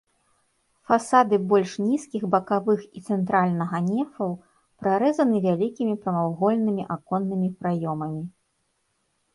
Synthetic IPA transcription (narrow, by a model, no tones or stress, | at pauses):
fasad̪ɨbɔlʲʂnʲiskʲiɣbɐkavɨxit̪sɛnt̪ɾalʲnɐɣɐnʲɛfɐw | pɾaɾɛzɐnɨvʲalʲikʲimʲipɾɐmawɣɔlʲnɨmʲiʔakɔnːɨmʲipɾajɔmɐmʲi